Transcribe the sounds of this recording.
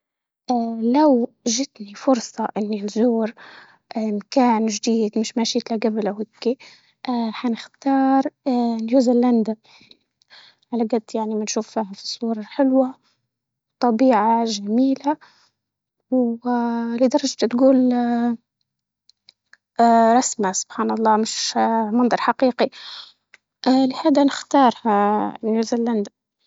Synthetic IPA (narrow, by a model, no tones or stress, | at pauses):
ʔaːlaw | ʒɪt̪nifʊɾsˤɑʔɪnːinzuːɾ | ʔɪmkaːnʒd̪iːd̪mɪʃmaʃiːt̪laɡablʔawɪkːi | ʔħanɪxt̪ɑːɾˤljuːzɪland̪a | ʕalaɡad̪ːjaʕnimanʃuːfːiːɦafi̥sˤuːɾˤɑħɪlwa | wt̪ˤɑbiːʕaʒamiːla | w | lɪd̪ɑɾˤɑʒt̪t̪ɡuːl | ɾˤɑsmasʊ̥b̥ħaːnɑlˤːɑːmɪʃmɑnd̪ˤɑɾˤħaqiːqi | ʔlɪhaːd̪anɪxt̪ɑːɾˤhajuːzɪlːand̪a